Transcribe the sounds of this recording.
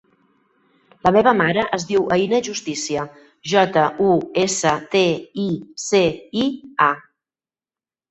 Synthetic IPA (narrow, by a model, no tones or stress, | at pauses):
ləmeβəmaɾəʔəzðiwʔəinəʒust̪isiə | ʒɔt̪əʔuesət̪eiseia